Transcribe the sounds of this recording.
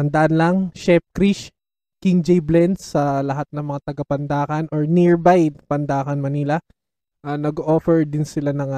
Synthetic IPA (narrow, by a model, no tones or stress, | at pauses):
ɐnd̪ɐʔanlɐŋʃɛp̚kɾiʃ | kiŋd͡ʒɛjblɛnd̪sɐlɐɦat̪̚nɐŋmɐŋat̪ɐɡapɐnd̪aːkɐnʔoɹnɪɹbajd̪pɐnd̪aːkɐnmɐnilɐ | ʔanɐɡoʔoːfɛɹd̪ɪnsɪlanɐŋa